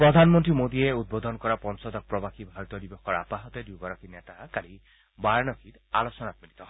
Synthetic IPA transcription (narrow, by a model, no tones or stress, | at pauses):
pɹɔd̪ʱanmɔntɹimod̪ieud̪̚bɔd̪ʱɔnkɔɹapɔnsɔd̪ɔk̚pɹɔbaxibʱaɹɔt̪ɔdibɔxkɔɹa̰paɦɔt̪ed̪ubɔɾɔkinet̪akali | bajnɔkʰit̪a̰losɔnat̚milit̪ɔɦ